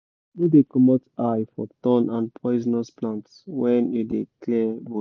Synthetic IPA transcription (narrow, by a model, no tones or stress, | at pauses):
judekɔmɔtajfɔtɔ̃nãnpʰɔɪznɔsplãntswɛ̃njudeklɛbo